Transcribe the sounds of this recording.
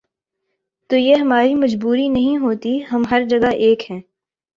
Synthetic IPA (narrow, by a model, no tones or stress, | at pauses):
t̪oːjeɦɐmaːɾimɐd͡ʒbuːɾinɐɦĩɦoːt̪iɦɐmɦɐɾd͡ʒɐɡaʔeːkɦɛ̃ː